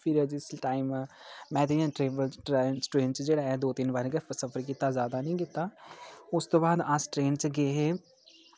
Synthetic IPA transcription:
pʰɪɾəd͡ʒɪsʈaːimmɛ̃ːd̪eãːʈɾeːbəlʈɾsʈɾeːnt͡ʃd͡ʒeːɽaːɛːd̪oːt̪ɪnʋəɾkɛfʰəsəpʰəɾk̬it̪aːzjaːd̪aːnĩːkɪt̪ːaːʊst̪õːbaːd̪asʈɾeːnt͡ʃɡeːɦeː

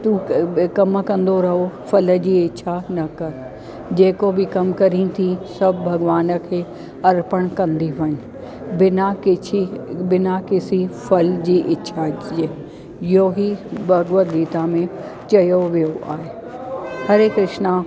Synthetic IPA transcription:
t̪ũkɐmkɐ̃nd̪oɾɐɦofɐlə̆d͡ʑiːɪtːʃʰanɐkɐɾ | d͡ʑeːkobɪkɐmkɐɾĩt̪ʰisɐbʱbʱɐɡʋaːnə̆kʰeː | ɐɾpəɽ̃kɐ̃nd̪iʋɐnɪ | bɪnakɪibɪnakɪsifɐld͡ʑiːʔɪtːɕʰaeː | joɦibʱɐɡʋəɡiːt̪amẽ | t͡ɕɐjoʋijoʔaːɦe | hɐɾkɾɪʃna

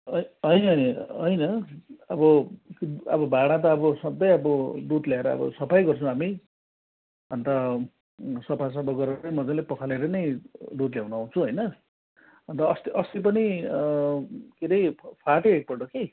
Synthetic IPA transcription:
ʌɦʌjnɦʌjnɦʌjnʌʌbʌkʌ̰bʌbʱaɽ̃ãt̪̬ʌːbʌsʌd̪ʌjʌbʌɖut̪ljaeɾʌʌ̰bʌ̰sʌpʰajɡʌrt͡sʰʌ̃ami | ʌnt̪ʌ | sʌpʰas̬ʌbʌɡʌɾʌʌjmʌd͡zãlepʌkʰaleɾʌnʌjdut̪ljawnuaw̃t͡sʰuɦʌjnʌ | ʌnt̪ʌːst̪iʔʌst̪ipʌni | keɾʌjʰpʰaʈeek̚pʌʈʌki

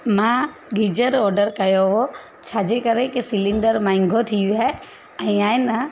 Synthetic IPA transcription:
mãːɡid͡ʑəɾɔːɾɖəɾkɐjoɦo | t͡ɕʰaːd͡ʑekɐɾekɪsɪlɪ̃ɳɖəɾmãːɪ̃ŋɡʱot̪ʰiuaːɦe | ɛ̃ːaːɪnə

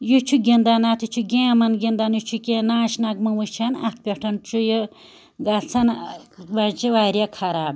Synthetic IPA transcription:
jut͡ʃʰuɡʲind̪anat̪ʰit͡ʃʰuɡʲẽːmɐnɡʲind̪anjut͡ʃʰukʲenãːʃnɐɡ̚mɐwut͡ʃʰanɐt̪̚ʰpʲeʈʰɐnt͡ʃʰujɨ | ɡɐlt͡sʰɐnʋɐt͡ʃiʋaːɾʲjakʰɐɾaːb

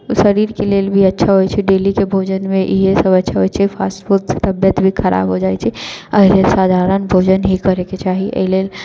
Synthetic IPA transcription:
səɾiɾkelelbʱiətːʃʰaɦojt͡ʃʰiɖelikebʱod͡ʒənmẽʔiɦesəbətːʃʰaɦojt͡ʃʰipʰasʈfuɾt̪se̥t̪əbjət̪bʱikʰəɾʔa̰ːbɦod͡ʒajt͡ʃʰiəɦilelsaːd̪ʱaɾənbʱod͡ʒənɦikəɾeket͡ʃaɦiʔə̰ɦilel

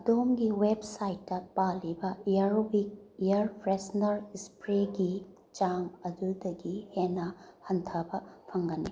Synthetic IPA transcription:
ɐdomɡiwebsajtːɐpalːibɐjjɐɾobik̚ijɐɾpʰɾesnɐɾispɾeɡi | t͡ʃaŋɐdudɐɡihenɐhɐntʰɐbɐpʰɐŋɡɐnːḭ

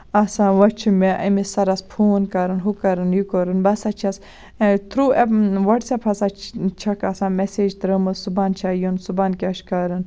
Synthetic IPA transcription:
ɐsãːʋɐt͡ʃʰimeʔɐ̰misɐɾɐspʰoːnkɐɾɨnɦukɐɾɨnjukoɾɨnbɐsat͡ʃʰɐs | t̪ʰɾuːeʋɐʈsɐpʰɐsat͡ʃʰɐkɐsãːmeseːd͡ʒt̪ɾəmɨsubaːnt͡ʃʰaːjunsubaːnkʲɐʃkaɾɨn

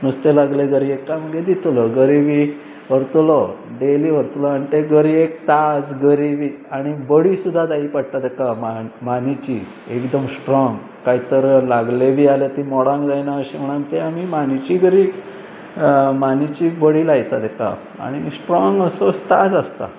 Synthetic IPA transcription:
nust̪elaɡleɡəɾiekːaməɡed̪it̪lɔɡəɾibi | ʋəɾt̪ulɔɖeliːʋəɾt̪ulɔaɽ̃it̪eɡəɾiek̚t̪ad͡zɡəɾibiːaɽ̃ibəɽiːsud̪ʱːad̪aipaɽ̚t̪ad̪ɛkamamanit͡ɕi | ekd̪əmsʈɾɔŋɡ | kaɦit̪əɾlaɡlebʱiːalet̪imɔɽãŋɡd͡zajnaəɕim̤əɽ̃ant̪eamimanit͡ɕiːɡəɾi | manit͡ɕiːbəɽiːlajt̪ad̪ɛka̰ | a̰ɽ̃isʈɾɔŋɡəsost̪a̰d͡zəst̪a̰

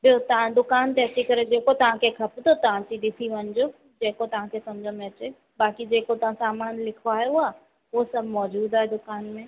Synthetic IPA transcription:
bɪot̪ɐɦãd̪ʊkaːnt̪eːt͡ʃikɐɾed͡ʒeːkot̪ɐʋ̤ãkekʰɐpd̪ot̪ɐʋ̤ãt͡ʃid̪ɪsʰiʋənd͡ʒoː | d͡ʒeːkot̪ɐʋ̤ãkesɐmd͡ʒʱamɛ̃ːt͡ʃeː | baːkid͡ʒeːkot̪ɐʋãsaːmaːnlɪkʰaːjuaː | ʋosɐbʱmɔːd͡ʒuːd̪aːɦɛd̪ʊkaːnmẽ

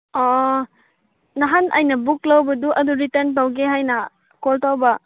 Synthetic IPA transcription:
ɔ | naɦanʔajnɐbuklawbɐduʔɐduɾitɐɾntawɡeɦajnɐ | koltawbɐ

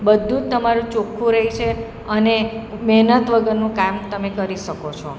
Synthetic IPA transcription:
bəd̪ʱũd͡ʒt̪əmaɾũt͡ʃokʰũɾəɦit͡ʃʰe | ənemɛɦnət̪ʋəɡəɾnũkamt̪əmekəɾiʃəkot͡ʃʰɔ

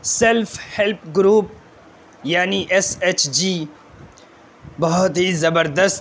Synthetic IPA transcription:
selfhelpɡɾuːp̚ | jaːniʔeset͡ʃd͡ʒiː | bɐɦʊt̪ɦizɐbəɾd̪əst̪

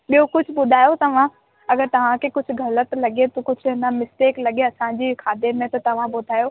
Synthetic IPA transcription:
ɓijokʊd͡ʑʱʊ̆ɓʊd̪ʱaːjot̪ɐʋ̤ã | ɐɡəɾt̪ɐʋ̤ãkʰekʊd͡ʑʱʊ̆ɡʱɐlət̪lɐɡet̪okʊd͡ʑʱʊɦɪnɐmɪsʈeːklɐɡeɐsãd͡ʑiːkʰaːd̪emẽt̪ɐt̪ɐʋ̤ãɓʊd̪ʱaːjo

